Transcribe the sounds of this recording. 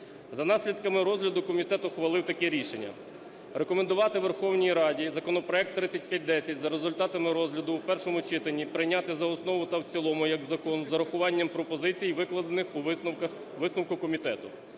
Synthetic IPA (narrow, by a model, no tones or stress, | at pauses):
zɐnɑsʲlʲid̪kɐmɪɾɔzɦlʲɐd̪ʊkɔmʲit̪ɛt̪ʊxʋɐlˠɪwt̪ɐkɛɾʲiʃenʲːɐ̰ | ɾekɔmend̪ʊʋɑt̪ɪʋerxɔwnʲijɾɑdʲizɐkɔnɔpɾɔɛk̚t̪ːɾɪt͡sʲːɐt̚ʲpʲjat̚ʲd̪ɛsʲɐtʲzɐɾezʊlʲt̪ɑt̪ɐmɪɾɔzʲlʲɐd̪ʊwpɛrʃɔmʊt͡ʃɪt̪ɐnʲːipɾɪjnʲat̪ɪzɐɔsnɔʋʊt̪ɐwt͡sʲilˠɔmʊjɐɡzɐkɔnzɐɾɐxʊʋɑnʲːɐmpɾɔpɔzɪt͡sʲijʋɪklˠɐd̪enɪxuɐx | ʋɪsnʊwkʊkɔmʲit̪ɛt̪ʊ